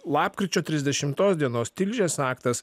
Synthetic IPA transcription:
lˠɑːpkɾʲɪt͡ʃʲoːt̪ʲɾʲɪzʲd̪ʲɛʃʲɪmt̪oːsd̪ʲiɛnoːst̪ʲɪlʲʒʲeːsɑːkt̪ɐs

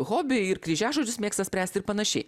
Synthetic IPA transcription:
ɣoːbʲɪɪɾkɾʲiʒʲæːʒoːd͡ʒʲʊsmʲeːkst̪ɐsʲpʲɾʲæːsʲt̪ɪɾpɐnɐʃʲɛ̰ɪ

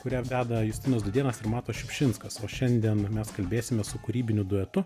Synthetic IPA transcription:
kʊɾʲæːʋʲæːd̪ɐjʊsʲt̪ʲɪnɐsd̪ʊd̪ʲiɛnɐsɪɾmɑːt̪oːʃʲɪpʲʃʲɪnskɐsoːʃʲɛnʲd̪ʲiɛnmʲɛskɐlʲbʲeːsʲɪmʲɛsʊkʊɾʲiːbʲɪnʲʊd̪ʊɛt̪ʊ

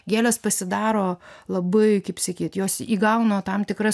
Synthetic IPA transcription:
ɡʲæːlʲɛspɐsʲɪd̪ɑːɾoːlˠɐbɐɪkɐɪpsɐkʲiːt̪joːsiːɡɐʊnoːt̪ɐmt̪ʲɪkɾɐ

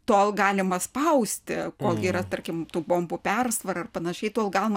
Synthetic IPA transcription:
t̪oːlˠɡɑːlʲɪmɐspɐʊsʲt̪ʲɪkoːlˠɡʲiːɾɐt̪ɐrʲkʲɪmt̪uːboːmbuːpʲɛrsʋɐɾɐɐrpɐnɐʃʲɛɪt̪oːlˠɡɑːlʲɪmɐ

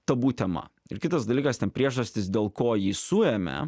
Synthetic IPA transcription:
t̪ɐbuːt̪ʲɛmɐ̰ɪ̰ɾkʲɪt̪ɐsd̪ɐlʲiːkɐst̪ʲɛnpʲɾʲiɛʒʒɐsʲt̪ʲɪsd̪ʲeːlˠkoːjiːsʊɛːmʲɛ̰

